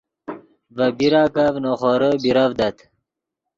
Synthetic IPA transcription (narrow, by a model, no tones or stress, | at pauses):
vəbiɾaːkavnoχoɾəbiɾavd̪at̪